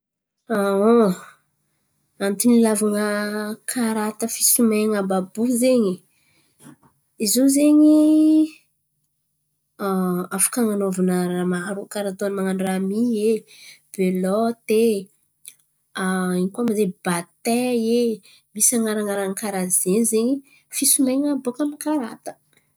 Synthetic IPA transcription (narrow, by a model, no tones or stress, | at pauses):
ao | ant̪inilavaŋəkʰaɾat̪əfi̥sumeŋababuzeɲi | izozeɲi | afḁkaŋanovanəɾamaɾukaɾat̪oanmaŋaɳɖ͡ʐamieb̥elɔt̪e | aiɲikamazebat̪ɛe | misaŋaɾaŋaɾaŋkaɾazenzeɲi | fisumajŋabokanikaɾat̪ə̥